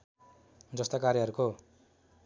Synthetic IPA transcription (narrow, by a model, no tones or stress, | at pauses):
d͡zʌst̪akaɾjʌɦʌɾuko